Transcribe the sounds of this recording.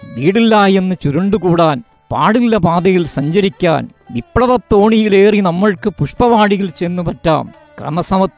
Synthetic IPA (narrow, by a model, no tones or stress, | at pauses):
ʋiːɽilːaːje̞nːɨt͡ɕuɾuɳɖukuːɽaːn | paːɽilːɐpaːd̪ɐjilsɐɲd͡ʑɐɾikʲːa̰ːn | ʋipːrɐʋɐt̪ːo̞ːɳijile̞ːrinɐmːɐɭkɨpuʂpɐʋaːɽiɣɐlt͡ɕenːupɐtːa̰ːm | krɐ̰mɐsɐmɐt̪